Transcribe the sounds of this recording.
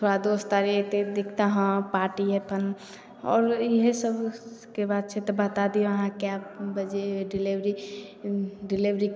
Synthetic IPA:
t̪ʰoɽad̪ost̪aɾit̪ed̪ekʰt̪aɦə̃paɾʈiɦepʰən | ɔ̰ːɾiɦesəbʱkebad̪̚t͡ʃʰɛt̪ɔbət̪ad̪ijoəɦãkeapbəd͡ʒeɖiliʋɾi | ɖiliʋɾi

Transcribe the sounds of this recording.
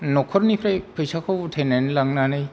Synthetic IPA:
nɔkʰɔɾnipʰɾajpʰɯjsakʰɔwtʰenenlaŋnanɯj

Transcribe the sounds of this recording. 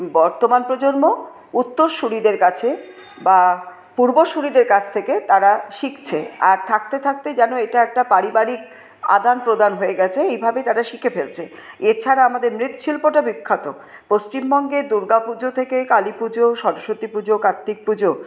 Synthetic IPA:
bɔɾt̪omanpɾod͡ʑoɾmo | ut̪ːoɾʃuɽid̪eɾkat͡ɕʰe | ba | puɾboʃuɽid̪eɾkat͡ɕʰt̪ʰeket̪aɾaʃikt͡ɕʰea̰ɾt̪ʰak̚t̪et̪ʰak̚t̪ed͡ʑɛnoeʈaɛk̚ʈapaɾibaɾik | a̰d̪anpɾod̪anɦoeɡɛt͡ɕʰeejbʱabet̪aɾaʃikʰefeɾt͡ɕʰeet͡ɕʰaɾaamad̪eɾmɾit̪o̥ʃʰilpoʈabikʰːat̪o | post͡ɕimbɔŋɡed̪uɾɡapud͡ʑot̪ʰekekalipud͡ʑoʃɔɾoʃot̪ipud͡ʑokat̪ːik̚pud͡ʑo

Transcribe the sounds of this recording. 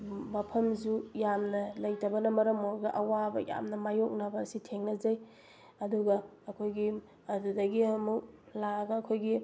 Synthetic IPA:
mɐpʰɐms̬ujamnɐlɐjtɐbɐnɐmɐɾɐmoɡɐʔɐwabɐja̰mnɐmajok̚nabɐsitʰeŋnɐzɐj | ɐduɡɐː | kʰojɡi | ɐdudɐɡiɐmuk̚laɡɐːkʰojɡi

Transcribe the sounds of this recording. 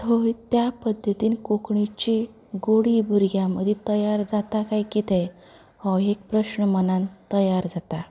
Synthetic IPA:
tɦojt̪japəd̪ʱːət̪iːnkokɳit͡ɕi | ɡoɽibʱuɾɡjaməd̪ʱit̪əjaɾd͡zat̪akaikit̪e | hoek̚pɾəɕnəmənant̪əjaɾd͡zat̪a

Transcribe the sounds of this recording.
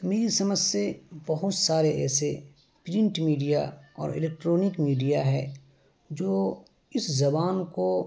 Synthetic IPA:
meːɾisɐməd͡ʒsebɐɦʊt̪saːɾeʔɛ̰ːse | pɾɪ̃ɳʈmiːɖijaɔ̰ːɾɪ̰leːk̚ʈɾoːnɪkmiːɖijaɦɛː | d͡ʒoː | ɪszɐbaːnko

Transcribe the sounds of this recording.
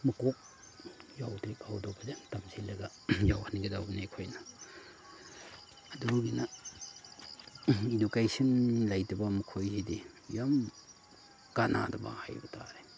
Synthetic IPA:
mɐkok̚ | jawtɾikawdobʰɐdemtamsilːɐɡɐ | jawhanɡedawɡineekʰojnɐ | duɡinɐ | idukajsinlajdɐbɐmɐkʰojzidi | jam | kana̰dɐba̰ha̰jbɐtʰa̰ɾe

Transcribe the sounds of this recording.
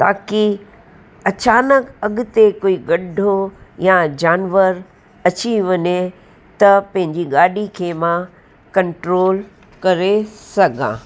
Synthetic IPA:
t̪a̰ːki | ɐt͡ɕaːnəkɐɠʊt̪ekoːiɡɐɖʱojad͡ʑaːnʋəɾ | ɐt͡ɕiʋɐɲe | t̪ɐpɐ̃ɦɪ̃ɲd͡ʑiɡaːɗikʰeːmã | kɐ̃ɳʈɾoːl | kɐɾesɐɡʱã̰ː

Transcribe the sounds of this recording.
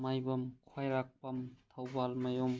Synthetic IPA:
majbɐmkʰajɾak̚pɐmtʰawbalmajɔm

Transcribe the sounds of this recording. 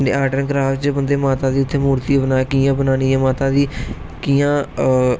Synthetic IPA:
ḛːaːʈənkɾaːft͡ʃbənd̪eːmaːt̪aːd̪iːʊt̪ʰːeːmuːɾt̪iːbənaːkiːãːbənaːniːɛːmaːt̪aːd̪iː | kijãː

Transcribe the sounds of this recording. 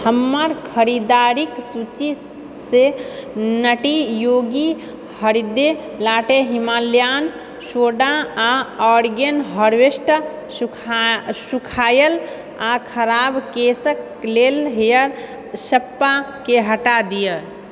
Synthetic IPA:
həmːəɾkʰəɾid̪aɾiksut͡ʃi | se | nəʈijoɡi | həɾid̪e | laʈeɦimaljan | soɖaaɔɾɡənɦəɾwesʈə | sukʰajəl | akʰəɾabkesək | lelɦjəɾ | səpːakeɦəʈad̪ijə

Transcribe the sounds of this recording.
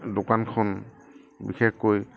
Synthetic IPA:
dokankʰɔn | bḭxekkoj

